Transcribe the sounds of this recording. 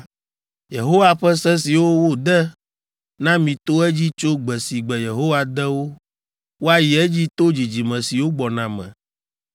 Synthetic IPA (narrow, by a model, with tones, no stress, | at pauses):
je˨ɦo˦wa˦ɸɛ˦sɛ˦si˨wo˦wo˦d̪ɛ˦ | nã˦mĩ˨t̪o˦ɛ˦d͡ʑi˦t͡ʃo˦ɡ͡bɛ˨si˨ɡ͡bɛ˨je˨ɦo˦wa˨d̪ɛ˦wo˦ | wo˦a˨ji˨ɛ˦d͡ʑi˦t̪o˦d͡ʑi˨d͡ʑi˨mɛ̃˨si˨wo˦ɡ͡bɔ˨nã˨mɛ̰̃˨